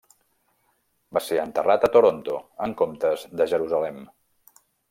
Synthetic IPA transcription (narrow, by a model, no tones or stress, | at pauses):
baseənt̪ərat̪ət̪oɾont̪oəŋkomt̪əzðəʒəɾuzəlɛm